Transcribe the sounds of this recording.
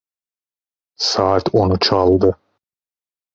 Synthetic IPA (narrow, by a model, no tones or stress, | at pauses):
sɑːt̪ʰonut͡ʃʰɑlˠd̪ɯ